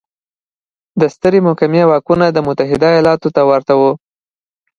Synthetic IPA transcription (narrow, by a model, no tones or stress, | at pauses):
d̪əst̪əɾemʊhkamjewɑkunad̪əmʊt̪aɦɪd̪ajɑlɑt̪ot̪awaɾt̪awo